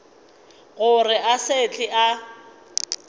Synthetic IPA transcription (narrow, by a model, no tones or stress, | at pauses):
ɣʊrɪʔaset͡ɬʼɪʔa